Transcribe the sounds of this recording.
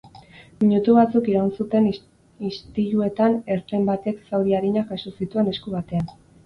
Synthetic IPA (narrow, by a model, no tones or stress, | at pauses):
miɲut̪uβ̞at͡sukiɾawnsut̪e̞n | ist̪iʎue̞t̪ane̞ɾt̪ɾe̞mbat̪e̞ksawðiaɾiɲakasusit̪ue̞ne̞skuβat̪e̞an